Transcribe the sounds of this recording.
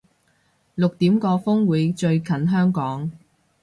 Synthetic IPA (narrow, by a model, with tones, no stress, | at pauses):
lʊ˨k̚t̪iː˨˥mkɔː˧fʊ˥ŋwuː˨˥jt͡ʃɵ˧ɥkʰɐ˨˥nɦœː˥ŋkɔː˨˥ŋ